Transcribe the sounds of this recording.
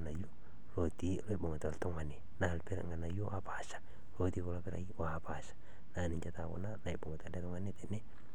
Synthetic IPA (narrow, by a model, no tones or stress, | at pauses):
najo | lot̪iloiboŋat̪alt̪oŋane | naalpɛɾa̰ŋanajoʔapasḁ | lot̪ikolapɛɾa̰iaapasḁ | naniɲd͡ʒat̪ako̰nanaiboŋat̪alat̪ɔŋanet̪ɛnɛ